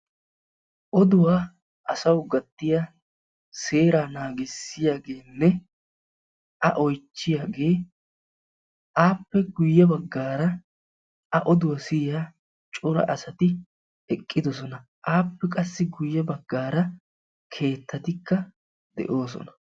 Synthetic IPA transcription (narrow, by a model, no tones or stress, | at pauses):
ʔɔd̪ʊwaː | ʔɐsɐwɡɐt̪ːɪja | se̞ːɾaːnaːɡɪsːɪjaːɡe̞ːnːɛ | ʔɐʔɔjt͡ʃːɪjaːɡe̞ː | ʔaːpːɛɡʊjːɛbɐɡːaːɾɐ | ɐʔɔd̪ʊwɐsɪja | t͡ʃʼʊɾɐ̰ʔɐsɐt̪ɪ | ɛkʼːɪd̪ɔsɔnɐ | ʔaːpːɛkʼɐsːɪɡʊjːɛbɐɡːaːɾɐ | kʰe̞ːt̪ʰːɐt̪ɪkːɐ | d̪ɛ̰ʔo̞ːsɔ̰nɐ̥